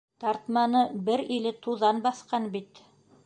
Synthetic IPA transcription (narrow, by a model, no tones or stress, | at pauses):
t̪ɑɾt̪mɑnɤbɘɾilɘt̪uðɑnbɑθqɑnbit̪